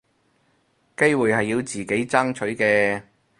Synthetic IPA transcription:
ke˥jwuː˨jhɐ˨jːiː˧wt͡siː˨ke˨˥jt͡sa˥ŋt͡ʃʰɵ˨˥ɥkɛː˧

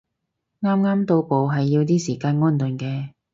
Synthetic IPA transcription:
ŋaː˥mŋaː˥mt̪o˧wpo˨wɦɐ˨jːi˧wt̪̬iː˥siː˨˩kaː˧nŋɔː˥nt̪ɵ˨˩nkɛː˧

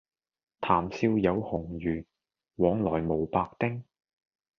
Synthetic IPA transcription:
t̪ʰaː˨˩msiː˧wjɐ˨˧whʊ˨˩ŋjyː˨˩ | wɔː˨˥ŋlɔː˨˩jmo˨˩wpaː˧k̚t̪ɪ˥ŋ

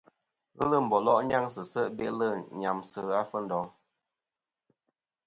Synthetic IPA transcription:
ɣə˦lə˦˨m̩˨bɔ˨lɔ˦ʔɲa˦ŋsə˨sə˦˨ʔbe˦ʔlə˦˨ɲa˨msə˦a˦fə˦n̩˦dɔ˨˦

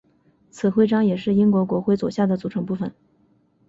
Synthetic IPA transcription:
t͡sʰɹ̩˨˩xwe˥˧ɪʈ͡ʂɑ˥ŋjɛ˨˩ʂɻ̩˥˩i˥ŋkwɔ˧˥kwɔ˧˥xwe˥˧ɪt͡swɔ̰˨˩ɕja˥˩d̪ə˩t͡su˨˧˥ʈ͡ʂʰɤ˧˥ŋpu˥˩fə˨˩n

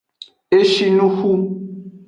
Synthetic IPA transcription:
e˦ʃi˦nu˦xu˦

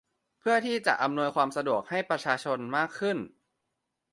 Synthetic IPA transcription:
pʰɯ˥˩ɐt̪ʰiː˥˩t͡ɕa̰˨˩ʔa˧mnu˧əjkʰwaː˧msa˧du˨˩ək̚ha˥˩jpɾa˧t͡ɕʰaː˧t͡ɕʰo˧nmaː˥˩kʰːɯ˥˩n

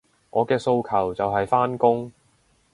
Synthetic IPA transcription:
ŋʔɔː˨˧kɛː˧so˧wkʰɐ˨˩wt͡sɐ˨wɦɐ˨jfaː˥nkʊ˥ŋ

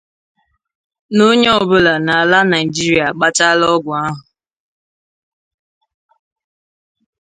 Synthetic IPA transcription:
no˦ɲe˦ɔ˦˨bʊ˦la˨na˨a˨la˦na˨i˨d͡ʒi˦ɾi˨a˨k͡pa˦ta˦lɔ˦ɡʷʊ˨a˦ɦʊ˨

